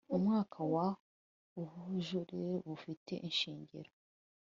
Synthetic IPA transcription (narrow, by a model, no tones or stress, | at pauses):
umŋaːkʰawa | uβuʒuɾeβufite̞̰ʔinʃiːɲɟḭɾo